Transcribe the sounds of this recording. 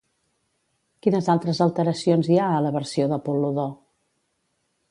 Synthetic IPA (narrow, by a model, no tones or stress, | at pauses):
kinəzalˠt̪ɾəzəlˠt̪əɾəsionziaələβəɾsioðəpuluðo